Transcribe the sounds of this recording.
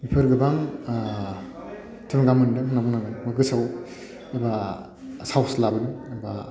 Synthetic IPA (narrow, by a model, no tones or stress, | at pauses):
bipʰɯɾɡɯbaŋ | tʰɯmɡamɯndɯmɯnabuŋnaɡɯnmɯɡɯsaw | iba | sawslabɯnɯiba